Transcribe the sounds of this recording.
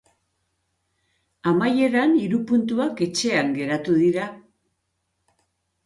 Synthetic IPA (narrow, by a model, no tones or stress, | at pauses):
amaje̞ɾaniɾupunt̪uake̞t͡ʃe̞aŋɡe̞ɾat̪uðiɾa